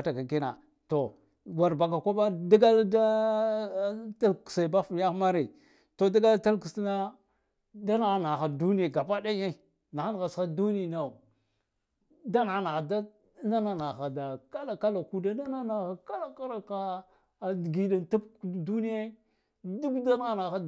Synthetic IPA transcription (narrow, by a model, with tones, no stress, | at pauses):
a˨ta˨ka˨ki˦na̰˨ | to˨ | ɡa˨ɾba˨ka˨kʷa˦ba˦da˦ɡa˦lda˦ | ta˦lksa˨ba˦fa˦xma˦ɾi˨ | to˨da˦ɡa˦lta˦lku˨sna˦ | da˦na˨˦na˨xa˨du˦ni˦e˨ɡa˨pa˦da˦je˦˨ | na˨xa˦n˨ɣa˨sa˦du˦ni˦˨na˨ | da˦na˨˦na˨ɣa˨da˦ | na˦na˦na˨xa˨da˨ka˦la˨ka˦la˨ku˨da˨na˦na˦na˨xa˨ka˦ɾa˦ka˦ɾa˨ka˨ | dɡi˨da˨nta˦pdu˦ni˦je˦ | du˦ɡda˦n˦a˦na˨xa˦